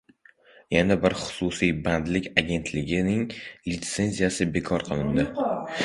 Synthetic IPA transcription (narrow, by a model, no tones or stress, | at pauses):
janabɪɾχʊ̥sʊsijband̪lɪkʲaɡʲe̞nt̪ʰlɪɡʲɪnɪŋlit̪se̞nzijasɪbe̞kʰɒɾqʰɨlˠɪnd̪ɪ